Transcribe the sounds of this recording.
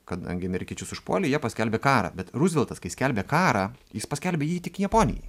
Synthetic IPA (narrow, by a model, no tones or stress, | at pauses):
kɐd̪ɐ̰ŋʲɡʲɪɐmʲɛɾʲɪkʲiɛt͡ʃʲʊsʊʃpṵɔlʲɪjiɛpɐsʲkʲɛlʲbʲeːkɑːɾɐ̰bʲɛt̪ɾʊzʲʋʲɪlˠt̪ɐskɐɪsʲkʲɛlʲbʲeːkɑːɾɑːjɪspɐsʲkʲɛlʲbʲeːjiːt̪ʲɪkjɛpoːnʲɪ̰jɛ̰ɪ